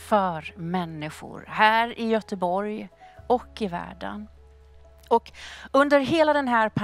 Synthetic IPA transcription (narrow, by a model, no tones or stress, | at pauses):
fœɾmɛnːɪɧʊ̰ɾhæːɾɪjœt̪əbɔɾjɔkːɪvæ̰ːɖə̰n | ɔkɵnd̪əɾɦeːlad̪ɛnɦæːɾpʰ